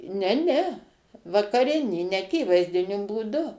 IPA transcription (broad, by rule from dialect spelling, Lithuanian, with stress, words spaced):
nʲɛ ˈnʲɛ ʋɐkɐˈrʲɪnʲiː nʲɛɐˈkʲiːʋɐɪzʲdʲɪnʲʊ buːˈdʊ